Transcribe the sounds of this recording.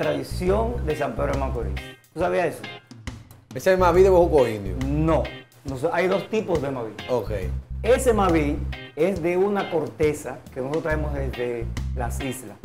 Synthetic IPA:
t̪ɾaðisjo̞nd̪e̞s̬ampe̞ðɾoemãŋkoɾḭst̪usaβiaeso | esemaβiðeβohukoind̪jo̰nõ | nosajðo̞st̪ipo̞zðemaβiokḛje̞se̞maβie̞sðe̞unako̞ɾt̪e̞sakenosoot̪ɾaemozðezðe̞lasisla̰s

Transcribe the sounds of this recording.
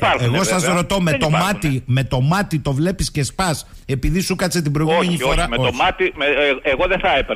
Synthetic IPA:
pɐɾeɣo̞ssɐszɾot̪o̞met̪o̞mɐt̪ime̞t̪o̞mɐt̪it̪o̞vle̞pisce̞spɐs | e̞piðisukɐt͡set̪ibɾoiɣumeɲifo̞ɾɐeoomɐt̪imeeɣoðeθɐepe

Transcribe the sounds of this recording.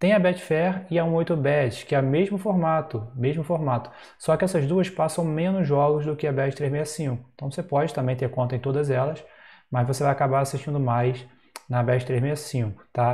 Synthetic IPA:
t̪ẽj̃ɐbɛt͡ʃfɛʁɪaũojt̪ɾʊbɛt͡ʃɪ̥kɪɛmeʒmʊfoɾmat̪ʊmeʒmʊfoɾmat̪ʊ̥ | sɔkɪɛsɐzd̪uɐspasɐ̃w̃mẽnʊʒɔɡʊzd̪ʊkɪɐbɛt͡ʃɪt̪ɾezmejɐsĩŋkʊẽnt̪ɐ̃w̃vosepɔd͡ʒɪt̪ɐ̃mbẽj̃t̪eɾkõnt̪ɐẽt̪od̪ɐzɛlɐsmɐzvosevajakabaɾasiʃt͡ʃĩnd̪ʊmajs | nɐbɛt͡ʃɪt̪ɾezmejɐsĩkʊ̥t̪a

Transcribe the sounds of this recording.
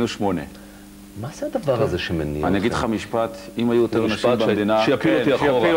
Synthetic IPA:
nuʃmonḛ | maz̥ead̪avaʁazeʃemenḭa̰niaɡid̪leχamiʃpat̪imajujot̪eʁnaʃibed̪inaafilot̪iaʃo

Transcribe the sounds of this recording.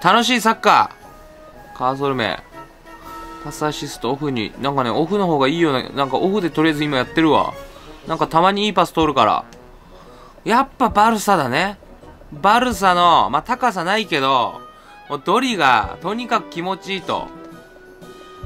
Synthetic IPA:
t̪ano̞ɕ̬iːsakːa̰ | kaːs̬oɾɯ̟me̞̰ | pasaɕisɨ̥t̪oːɸɯ̟ɲ̟ḭnãŋkaneʔo̞ɸɯ̟no̞ɦo̞ːɡaiːjo̞ːna̰nãŋkaʔo̞ɸɯ̟d̪e̞t̪o̞ɾʲijazɨimajat̪ːe̞ɾɯ̟βa̰nãŋkat̪amaɲ̟iiːpasɨ̥t̪o̞ːɾɯ̟kaɾa̰ | japːabaɾɯ̟sad̪ane̞ | baɾɯ̟s̬ano̞mat̪akas̬anaike̞d̪o̞ | moːd̪o̞ɾʲiɡa̰t̪o̞ɲ̟ikakɯ̟̥kʲimo̞t͡ɕiːt̪o̞̰

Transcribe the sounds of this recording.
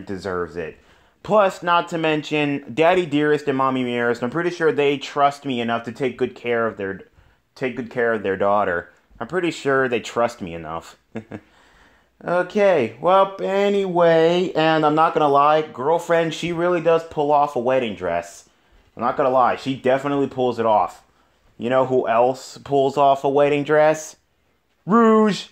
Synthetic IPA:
dɨzɜ˞vzɪ̰t̚ | pʰl̥ʌsnətʰɨmɛ̃nʃɨ̃ndæɾidɪɹɨstɨ̃nmɑmimɪɹɨstãɪ̃mpʰɹ̥ɪɾiʃʊɹðeɪtʰɹ̥ʌst̚miɨnʌftʰɨtʰeɪk̚ɡ̥ʊd̚kʰɛɹʌvðə˞ | tʰeɪk̚ɡ̥ʊd̚kʰɛɹʌvðə˞dɔɾə˞ | ãɪ̃mpʰɹ̥ɪɾiʃʊɹðeɪtʰɹ̥ʌst̚miɨnʌ̰f | oʊkʰeɪwɛlˠɛniweɪɨ̃nãɪ̃mnət̚ɡ̥ʌñəlaɪɡɜ˞lˠfɹɛ̃nd̥ʃiɹɪlˠidʌz̥pʰʊlˠɔfəweɪɾɪ̃ŋdɹɛ̰s | ãɪ̃mnət̚ɡ̥ʌñəlaɪʃidɛfənətˡlipʰʊlˠzɨɾɔf | jɨɾ̃oʊɦuʔɛlˠspʰʊlˠzɔfəweɪɾɪ̃ŋdɹɛs | ɹuʒ̥

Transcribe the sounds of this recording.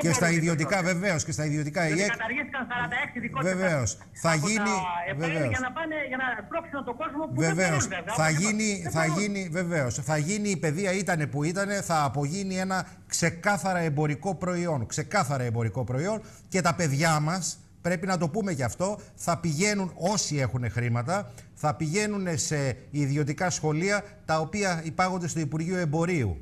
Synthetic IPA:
cest̪ɐiðio̞t̪ikɐve̞ve̞osce̞st̪ɐiðio̞t̪ikɐieɐɐɾʝist̪i̥kɐnsɐɾɐnd̪ɐeksiðikoveve̞o̞s | θɐʝiniveveosɐnɐpɐneʝɐnɐp̪ɾoksunɐt̪oɡo̞zmopveve̞osθɐʝiniθɐʝinive̞ve̞o̞sθɐʝiniːpe̞ðiɐit̪ɐne̞puit̪ɐne̞θɐːpo̞ʝinie̞nɐ | kse̞kɐθɐɾɐe̞mbo̞ɾiko̞pɾo̞io̞nkse̞kɐθɐɾɐembo̞ɾiko̞pɾo̞io̞n | ce̞t̪ɐpe̞ðʝɐmɐs | pɾe̞pinɐt̪o̞pume̞cɐft̪o̞θɐpiʝe̞nuno̞sie̞xune̞xɾimɐt̪̬ɐ | θɐpiʝe̞nune̞se̞iðio̞t̪̬ikɐsxo̞liɐt̪ɐo̞piɐipɐɣond̪e̞st̪oipuɾʝioe̞mbo̞ɾiṵ

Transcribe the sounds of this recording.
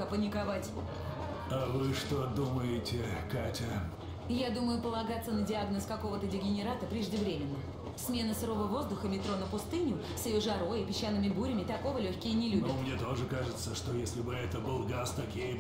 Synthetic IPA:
əpənʲɪkavatʲ | avɨʂt̪od̪uməjɪtʲɪkatʲə | jad̪uməjʊpəlˠɐɡat̪sːənədʲɪaɡnəskɐko̞vət̪ədʲɪɡʲɪnʲɪɾat̪əpɾʲɪʐdʲɪvɾʲemʲɪnːə | smʲe̞nəsɾo̞vəvo̞zd̪ʊxəmʲɪt̪ɾo̞nəpʊst̪ɨnʲʊ | sʲjɪjoʐɐɾo̞jɪpʲɪɕːanːɨmʲɪbuɾʲɪmʲɪt̪ɐko̞vəlʲɵçʲkʲɪjənʲɪlʲubnʲmnʲet̪o̞ʐɨkaʐɨt̪səʂt̪ojesʲlʲɪbɨɛt̪əbɨlˠɡast̪ɐkʲij

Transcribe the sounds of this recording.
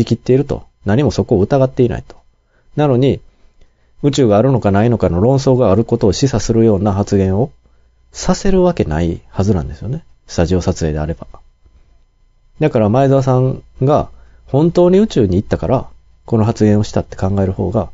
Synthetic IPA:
ikʲit̪ːe̞iɾɯ̟t̪o̞̰ | naɲ̟imo̞so̞ko̞ːɯ̟t̪aɡat̪ːe̞inʔa̰it̪o̥ | nano̞ɲ̟i | ɯ̟t͡ɕɨːɡaːɾɯ̟no̞kanaino̞kano̞ɾõ̞ɰ̃so̞ːɡaːɾɯ̟ko̞t̪o̞ːɕisasɨɾɯ̟jo̞ːnahat͡sɨɡẽ̞ɰ̃o̞ | sase̞ɾɯ̟βake̞na̰ihazɨnã̰nd̪e̞sɨjo̞ne̞ | sɨ̥t̪aʑio̞ːsat͡sɨe̞ːd̪e̞a̰ɾe̞b̥a | d̪akaɾamaizaas̬ãŋɡa | hõ̞nt̪o̞ːɲ̟iɯ̟t͡ɕɨːɲ̟iːt̪ːakaɾa | ko̞no̞ɦat͡sɨɡẽɰ̃o̞ɕi̥t̪at̪ːekãŋɡae̞ɾɯ̟ho̞̰ːɡa

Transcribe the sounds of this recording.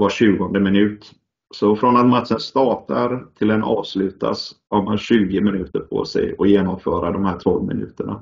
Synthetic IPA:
vaɕʉ̟ːɡɔnd̪əmɪnʉ̟ːt̪ | sɔfɾɔnat̪mat̪sənst̪ɑːʈaɾt̪ʰɪlɛnʔɑːvslʉ̟ːt̪a̰shaɾmanɕʉ̟ːɡəmɪnʉ̟ːt̪əɾpʰɔ̰sɛ̰jɔjeːnɔmfœːɾad̪ɔmhæːʈʰɔlvmɪ̰nʉ̟̰ːt̪əɳa

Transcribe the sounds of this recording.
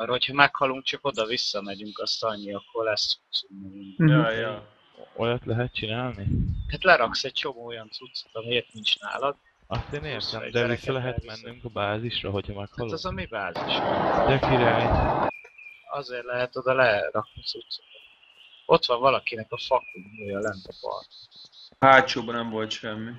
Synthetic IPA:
rɦo̞chɒmɛkhɒluŋk̚t͡ʃɒko̞d̪ɒvisːɒmɛɟyŋkɒst̪ɒɲːiɒkʰːo̞rlɛsut̪summuŋjoj | o̰jɒt̪lɛɦɛt̪̚t͡ʃinaːlnihat̪lɛɾɒksɛɟ̥̚t͡ʃo̞moːojɒnt̪sut̪so̥t̪ɒmieːt̪niɲt͡ʃna̰ːlɒd̪ | ɒst̪eːneːrt̪ɛm̰d̪ɛvisːɒlɛɦɛt̪mɛnːyŋkɒbaːziʃrɒɦo̞cʰɒmɛkhɒlːɛzɒmibaːziʃnɔ̰jɛkiɾaːɲ | ɒ̰zeːrlɛɦɛt̪o̞d̪ɒlɛrɒk̚niɒsut̪so̥k̪ɔt̪ | o̞t̪ʋɒɱvɒlɒkinɛkɒfɒkːiŋuːjɒlɛnːɛpɒ̰rt̪haːt͡ʃoːbɒnɛɱvo̞lt̪ʃɛmːi

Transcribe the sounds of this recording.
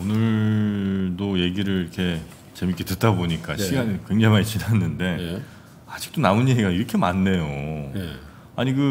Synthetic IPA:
onɯɾ | doje̞ɡiɾɯɭɾiɾʌkʰe̞ | t͡ɕe̞mik͈e̞tɯt̚t͈aboɲik͈aɕʰiɡanɯkwe̞ŋd͡ʑaŋmait͡ɕinanːɯnde̞ | ad͡ʑi̥k̚t͈onaunje̞ɡiɡaiɾʌkʰe̞manːe̞jo | aɲiɡɯ

